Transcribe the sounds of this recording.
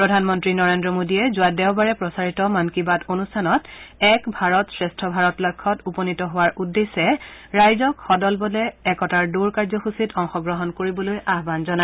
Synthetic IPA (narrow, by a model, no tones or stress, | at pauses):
pɹɔdʱanmɔntɹinɔɹendɹɔmodijɛzʊadɛʊbaɹɛpɹɔsaɹitɔmankibatonustʰanɔtɛkbʱaɹɔtsɹɛstʰɔbʱaɹɔtlɔkʰːɔtupɔnitɔɦʊwaɹʔudːesɛɹajzɔkxɔdɔlbɔlɛːkɔtaɹduɹkaɹzɔxusitɔŋxɔɡɹɔɦɔnkoɹibɔlojaɦbanzɔna